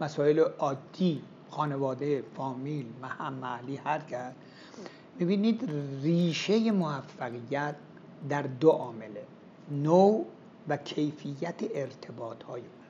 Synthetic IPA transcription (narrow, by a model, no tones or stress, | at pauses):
mæsɒːeleʔɒːd̪ːiː | xɒːne̞vɒːd̪efɒːmiːlmæhæmːæliːhæɾkʰæsd̪ | mibiːniːd̪riːʃe̞je̞moæfːæɣijæt̪̚ | d̪æɾd̪oʔɒːmele | now | vækʰe̞jfijːæt̪ʰeʔeɾt̪ʰe̞bɒːt̪hɒːjeun